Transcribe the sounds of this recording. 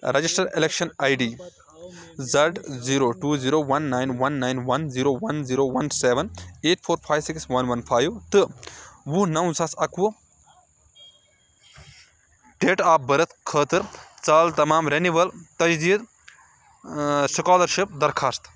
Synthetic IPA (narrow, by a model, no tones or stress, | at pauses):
ɾɐd͡ʒisʈɐɾelekʃɐnaːjɖiː | zɐɖziːɾoːʈuːziːɾoːʋɐnːaːjnʋɐnːaːjnʋɐnziːɾoːʋɐnziːɾoːʋɐnseːʋɐneːʈpʰoːɾpʰaːjʋsikswɐnʋɐnpʰaːjʋt̪ɨwunɐwsɐsɐku | ʈeːʈaːp̚bɐɾɐt̪ʰkʰəːt̪ɨɾt͡saːlt̪ɐmaːmɾeniʋɐlt̪ɐd͡ʒd̪iːd̪ | sikaːlɐɾʃip̚d̪ɐɾkʰaːst̪